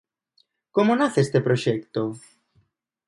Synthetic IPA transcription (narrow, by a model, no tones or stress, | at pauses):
komonaθest̪epɾoʃekt̪o